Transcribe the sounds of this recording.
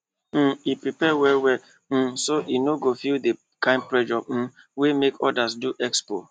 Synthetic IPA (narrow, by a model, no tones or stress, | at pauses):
m̩ipɾipɛwɛwɛ | m̩soʔinoɡofilde | kãɪ̃nd̚pɹɛd͡ʒɔv̩ | wemekʰɔ̰das̬duʔɛkspo̰